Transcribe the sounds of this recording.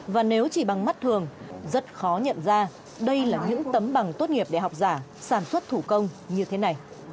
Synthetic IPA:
vaː˨˩ne˨˦wt͡ɕi˧˩ɓa˨˩ŋma˦˥t̚t̪ʰɨ˨˩əŋzə˦˥t̚xɔ˨˦ɲə̰˧˨nzaː˧ | ɗə˧jlaː˨˩ɲɨ̰˧˥ŋt̪ə˨˦mɓa˨˩ŋt̪o˦˥t̚ŋi˨˩əp̚ɗe˧˩ɦa˨˩wk͡p̚zaː˧˩saː˧˩nswə˦˥t̚t̪ʰu˧˩kə˧wŋ͡mɲɨ˧t̪ʰe˨˦na˨˩j

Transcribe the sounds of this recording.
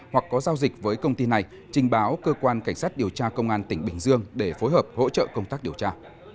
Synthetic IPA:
hwa˨˩k̚ːɔ˨˦zaː˧wzi˨˩k̟̚vəː˨˦jkə˧wŋ͡mt̪i˧na˨˩j | t͡ɕï˨˩ŋ̟ɓaː˨˦wkəː˧kwaː˧nka˧˩jŋ̟saː˦˥t̚ɗi˨˩əwt͡ɕaː˧kə˧wŋ͡mʔaː˧nt̪ï˧˩ŋ̟ɓï˨˩ŋ̟zɨ˧əŋɗe˧˩fo˨˦jɦəː˨˩p̚ho̰˧˥t͡ɕə̰ː˧˨kə˧wŋ͡mt̪aː˦˥k̚ɗi˨˩əwt͡ɕaː˧

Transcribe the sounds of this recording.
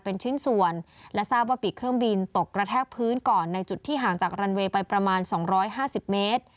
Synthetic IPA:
pe˧nt͡ɕʰɯ˦˥˩nsu˨˧˩ənlɛ˦˥saː˥˩p̚waː˥˩piː˨˩kʰɾɯ˥˩ŋbi˧nt̪o˨˩kːɾa˧t̪ʰɛː˥˩k̚pʰɯː˦˥nkɔː˨˩nːa˧jt͡ɕu˨˩t̪ʰːiː˥˩ɦaː˩˦ŋt͡ɕaː˨˩k̚ɾa˧nweː˧pa˧jpɾa˧maː˧nsɔː˩˦ŋɾɔː˦˥jɦaː˥˩si˨˩p̚meː˦˥t̪̚

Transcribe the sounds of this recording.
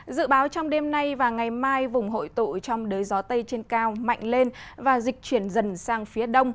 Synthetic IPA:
zɨ̰˧˨ɓaː˨˦wt͡ɕɔ˧wŋ͡mɗe˧mna˧jvaː˨˩ŋa˨˩jmaː˧jvʊ˨˩ŋ͡mɦo̰˧˨jt̪ṵ˧˨t͡ɕɔ˧wŋ͡mɗəː˨˦jzɔ˨˦t̪ə˧jt͡ɕe˧nkaː˧wma̰˧˨jŋ̟le˧nvaː˨˩zï˨˩k̟̚t͡ɕwi˧˩ənzə˨˩nsaː˧ŋfi˨˦əɗə˧wŋ͡m

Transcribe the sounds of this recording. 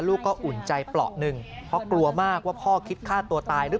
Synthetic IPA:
luː˥˩kːɔː˥˩ʔu˨˩nt͡ɕa˧jplɔ̰˨˩ʔnɯ˧˩ŋpʰɾɔ˦˥klu˧ɐmaː˥˩k̚waː˥˩pʰɔː˥˩kʰi˦˥t̪̚kʰaː˥˩t̪u˧ɐt̪aː˧jɾɯ˦˥

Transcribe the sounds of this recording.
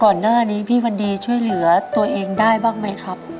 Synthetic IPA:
kɔː˨˩nːaː˥˩niː˦˥pʰiː˥˩wa˧ndiː˧t͡ɕʰu˥˩əjlɯ˩˦ɐt̪u˧ɐʔeː˧ŋdaː˥˩jbaː˥˩ŋma˦˥jkʰɾa˦˥p̚

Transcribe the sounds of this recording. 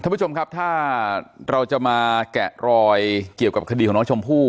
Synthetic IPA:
kʰa˥˩˦t͡ɕo˧mŋkʰp̚t̪ʰaː˥˩ɾa˧wt͡ɕa˨˩maː˧kɛ˨˩ʔɾɔː˧jki˨˩əwka˨˩p̚kʰa˧di˧kɔː˨˩˦nɔ˦˥t͡ɕʰo˧mpʰuː˥˩

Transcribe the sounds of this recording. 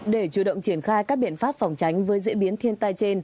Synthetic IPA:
ɗe˧˩t͡ɕu˧˩ɗə̰˧˨wŋ͡mt͡ɕi˧˩ənxaː˧jkaː˦˥k̚ɓḭ˧˨ənfaː˦˥p̚fɔ˨˩wŋ͡mt͡ɕa˨˦jŋ̟vəː˨˦jzḭ˧˥əɓi˨˦ənt̪ʰi˧ənt̪a˧jt͡ɕe˧n

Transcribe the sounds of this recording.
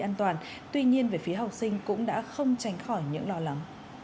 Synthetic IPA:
ʔaː˧nt̪waː˨˩n | t̪wi˧ɲi˧ənve˨˩fi˨˦əɦa˨˩wk͡p̚sï˧ŋ̟kʊ̰˧˥ŋ͡mɗa̰ː˧˥xə˧wŋ͡mt͡ɕa˨˦jŋ̟xɔ˧˩jɲɨ̰˧˥ŋlɔ˧la˨˦m

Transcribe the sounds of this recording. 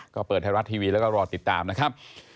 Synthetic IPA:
kɔː˥˩pəɤː˨˩t̪̚ha˧˩ɾa˦˥t̪ʰiː˧wiː˧lɛː˦˥wkɔː˥˩ɾɔː˧t̪i˨˩t̪ːaː˧mna˦˥kʰɾa˦˥p̚

